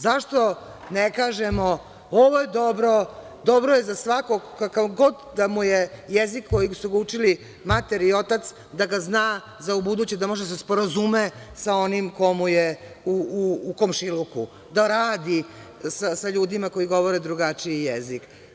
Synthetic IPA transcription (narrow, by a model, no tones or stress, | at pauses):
zaʃt̪o | nekaːʒemo | oʋojed̪obɾo̞ | d̪obɾoje̞zasʋakoɡkakaɡo̞d̪d̪amujejezikːo̞jisuɡut͡ʃili | mat̪eɾio̞t̪at̪s | d̪aɡaznaː | zaubud̪uːt͡ɕed̪amo̞ʒed̪asspo̞ɾazumesao̞nimko̞muje | uuːkomʃiluku | d̪aɾaːd̪isasaʎuːd̪imako̞jiɡo̞ʋo̞ɾed̪ɾuɡat͡ʃiijezik